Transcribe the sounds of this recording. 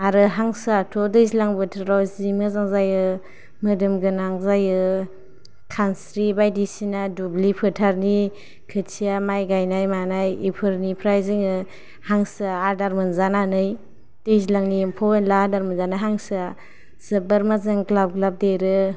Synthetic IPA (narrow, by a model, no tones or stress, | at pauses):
aɾɯɦaŋsatʰɔdɯjzilaŋbɯtʰɾawzimɯzaŋzajɯ | mɯdɯmɡɯnaŋzajɯ | kʰansɾibajdisinadublipʰɯtʰaɾni | kʰɯsʰijamajɡajnajmanajipʰɯɾnipʰɾajziŋɯ | haŋsaaɾdaɾmɯnzananɯj | d̥ɯjzilaŋnimpʰɔbenlaaɾdaɾmɯnzanaɦaŋsɯ | səbaɾmazaŋklab̚ɡlab̚deɾɯ